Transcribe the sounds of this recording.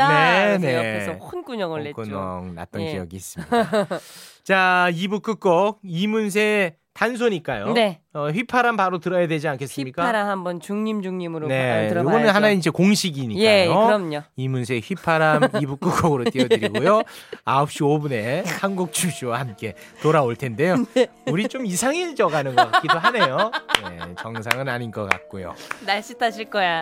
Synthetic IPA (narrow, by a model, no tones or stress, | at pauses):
ne̞neesʌkʰunk͈uɲʌŋɯɭːekunʌ̰ŋna̰t̚t͈ʌnkijʌɡiːs͈ɯ̥miat͡ɕaibuk͈ɯk͈ʌk̚imuns̬ʰe̞ | tans̬ʰoɲik͈ajo̰neʌɸɥipʰaɾampaɾotɯɾʌjadwe̞d͡ʑiankʰe̞s͈ɯmɲik͈aaɾahambʌnt͡ɕuŋɲimd͡ʑuŋɲimɯɾone̞ɯjoɡʌnɯnɦanaeid͡ʑe̞koŋɕʰiɡiɲieajoɾʌmɲoimunsʰe̞ɸɥipʰaɾamibuk͈uɡʌɡɯɾot͈iʌtɯɾɡojoaʌp̚ɕ͈iobune̞hanɡuk̚t͡ɕ͈ʰuɕʰiwahamk͈e̞ | toɾaoɭtʰe̞nde̞jouɾit͡ɕomisʰaŋid͡ʑʌɡanɯnɡʌk͈ak͈idoɦane̞jonḛt͡ɕʌŋsʰaŋɯnaɲinɡʌk͈a̰k̚k͈ojo̰naɭɕ͈itʰaɕʰiɭk͈ʌja